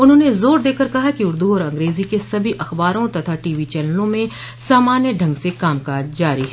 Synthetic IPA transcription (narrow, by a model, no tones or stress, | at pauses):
ʊnɦõːnezoːɾd̪eːkəɾkɐɦakiʊɾd̪uɔːɾɐ̃ŋɡɾeːzikesɐbʱiʔɐxbaːɾõt̪ɐt̪ʰaʈiːʋit͡ʃɛləlõmẽ | saːmaːnjəɖʱɐ̃ŋɡsekaːmkaːd͡ʒd͡ʒaːɾiɦɛ